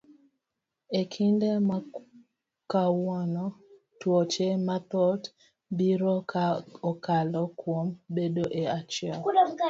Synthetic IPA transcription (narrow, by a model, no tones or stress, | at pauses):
ekʰindema | kawɔnɔ | twot͡ʃemat̪ɔt | biɾokɔkalɔkwombedoʔeat͡ʃɪɛl